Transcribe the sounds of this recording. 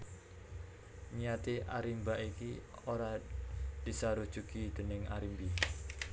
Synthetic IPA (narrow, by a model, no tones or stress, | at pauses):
nijat̪iʔa̰ɾimbaʔiki | oɾad̪̥i̤saɾud̥ʒ̥ṳkid̪̥ə̤nɪŋa̰ɾimbi